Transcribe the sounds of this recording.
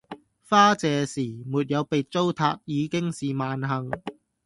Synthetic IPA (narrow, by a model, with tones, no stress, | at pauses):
faː˥t͡sɛː˨˧siː˨˩muː˨t̚jɐ˨˧wpe˨jt͡so˥wt̪ʰa̰ː˧k̚jiː˨˧kɪ˥ŋsiː˨maː˨˧nɦɐ˨ŋ